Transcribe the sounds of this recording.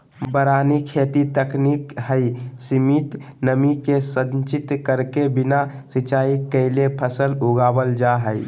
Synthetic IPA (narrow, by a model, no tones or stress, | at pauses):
bəɾanikʰet̪it̪əknikɦəɪsimit̪ | nəmikesə̃ɲt͡ʃit̪kəɾkebina | sit͡ʃaːikəɪlepʰəsəluɡabəld͡ʒaɦəɪ